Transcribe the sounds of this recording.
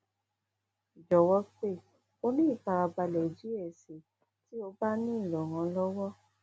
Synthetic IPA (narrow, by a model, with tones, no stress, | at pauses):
d͡ʒɔ˨wɔ˦k͡pe˦˨ | o˧nĩ˦i˦˨k͡pa˨˧ɾa˧ba˧lɛ˨d͡ʒi˨˦ɛ˨se˨ | ti˦o˧ba˦nĩ˦i˦˨lɔ˨ŋã˧lɔ˦wɔ˦